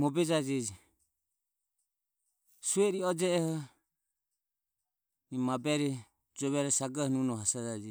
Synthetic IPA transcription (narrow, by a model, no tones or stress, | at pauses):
mɔbɛd͡ʒad͡ʒɛd͡ʒi | suɛɾiɔd͡ʒɛɛhɔ | nimabɛɾɛ | d͡ʒɔβɛɾɛsaɡahɔnunɔhasad͡ʒad͡ʒɛ